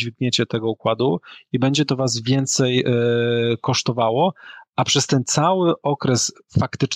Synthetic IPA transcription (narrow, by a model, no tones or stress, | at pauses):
vʲiɡɲet͡ɕɛt̪ɛɡɔukwad̪uibɛɲd͡ʑɛt̪ɔvaz̬vʲjɛnt̪sɛj | kɔʂt̪ɔvawɔapʂɛst̪ɛnt̪sawɘʔɔkɾɛs | fakt̪ɘt͡ʂ